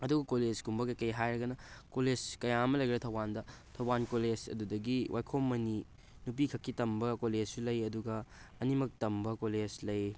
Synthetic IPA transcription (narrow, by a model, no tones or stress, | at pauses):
ɐduɡɐkoled͡ʒkumbɐkɐjkɐjɦajɾɐɡɐnɐkoled͡ʒkɐjaɐmɐlɐjɡɾɐtʰɐwbandɐtʰɐwbankoled͡ʒɐ̰dudɐɡiwʔajkʰomːɐni | nup̬ikʰɐkːitɐmbɐkoled͡ʒsulɐjɐduɡɐːnimɐk̚tɐmbɐkoled͡ʒlɐj